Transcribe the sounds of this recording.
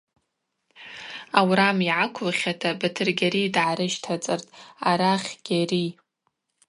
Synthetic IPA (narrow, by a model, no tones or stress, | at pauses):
awɾamiʕakʷʰlχʲatʰabatʰɨrɡʲaɾidʕaɾɨʒtʰat͡sʼɨrtʼaɾaχʲɡ̥ʲari